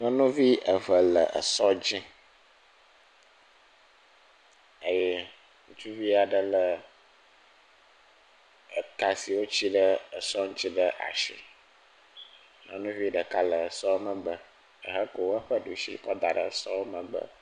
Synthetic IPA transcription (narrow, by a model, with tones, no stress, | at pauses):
nɔ̃˦nũ˦vi˦ə˨və˨lə̰˨ʔə̰˨sɔ˦d͡ʑi˦ | ə˦jɛ˦ | ŋũ˦t͡ʃu˦vi˦a˨ɖə˦lə˨ | ə˨ka˨si˨wo˦t͡ɕi˦ɖə˦ə˨sɔ˦ŋũ˦t͡ɕi˦ɖə˦ʔa̰˨ʃḭ˦ | nɔ̰̃˦nũ˦vi˦ɖə˨ka˦lə˨ə˨sɔ˦wmə̃˨ɡ͡bə˨ | ə̰˨ɦə˦ko˨wo˦ə˦ɸə˦ɖu˨ʃḭ˦kɔ˦d̪a˨ɖə̰˨ə˨sɔ˦wo˦mə̃˨ɡ͡bə̰˨